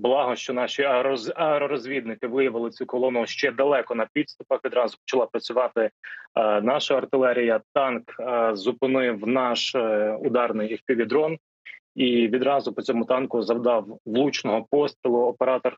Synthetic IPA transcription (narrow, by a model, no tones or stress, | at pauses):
blˠɑɦɔʃt͡ʃɔnɑʃiɐɛɾɔɾɔzʲʋʲid̪nɪkɪʋɪjɐʋɪlˠɪt͡sʲukɔlˠɔnʊʃt͡ʃɛd̪ɐlˠɛkɔnɐpʲid̪st̪ʊpɐxʋʲid̪ɾɑzʊpɔ̥t͡ʃɐlˠɑpɾɐt͡sʲʊʋɑt̪ɪ | nɑʃɐɐrt̪ɪlˠɛɾʲijɐt̪ɑnkzʊpɪnɪwnɑʃʊd̪ɑrnɪjhkʲiʋʲid̪ɾɔn | iʋʲid̪ɾɑzʊpɔt͡sʲɔmʊt̪ɑnkʊzɐwd̪ɑwʋlˠut͡ʃnɔɦɔpɔstʲɪlˠʊːpeɾɑt̪ɔr